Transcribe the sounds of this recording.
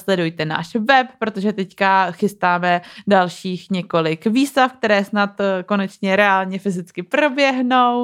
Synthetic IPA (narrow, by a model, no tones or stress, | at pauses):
slɛdujt̪ɛna̰ːʃvɛp̚ːɾo̞t̪o̞ʒɛt̪ɛckaxɪst̪aːmɛdalʃiːxɲɛko̞lɪkviːstafk̚t̪ɛɾɛːsnat̪ko̞nɛt͡ʃɲɛɾɛaːlɲɛfɪzɪt͡skɪpɾo̞bjɛɦnow